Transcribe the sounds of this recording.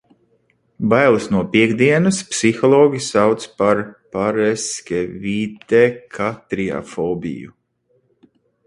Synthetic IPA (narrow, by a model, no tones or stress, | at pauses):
bajlˠisnuɔpiɛɡd̪iɛnɨspsixɔlˠɔːɡʲisawt̪spaɾpaɾɛskʲevit̪ekʰat̪ɾia̰fɔːbḭjṵ